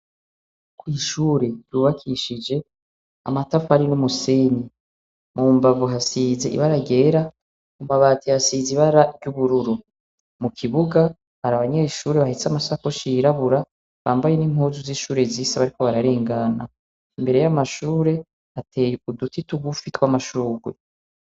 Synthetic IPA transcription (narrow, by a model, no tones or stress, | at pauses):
kwiːʃuːɾe̞juːβakʰiʃid͡ʒe̞ | a̰matafaɾinumuseni | mʔuːmbavuɦasizeʔḭβaɾaɟe̞ːɾa | umaβaːtʰihasiːziβaɾaɾɟuβuɾuɾu | mukʰiβuɡa | haɾaβaɲeʃuːɾe̞βahisamasakoʃiɾaβuɾa | βaːmbajenim̥huːzuziʃuːɾe̞ziːsaβaɾiko̞βaɾaɾe̞ːŋɡana̰ | imbe̞ɾe̞jamaʃuːɾe̞ | hatʰejeudutituɡufitwamaʃuːɡwḛ